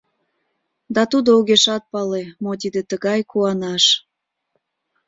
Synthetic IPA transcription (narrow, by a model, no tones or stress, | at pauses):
d̪ɑt̪ud̪ouɣeʃɑt̪̚pɑlemot̪̬id̪et̪əɣɑjkuɑnɑʃ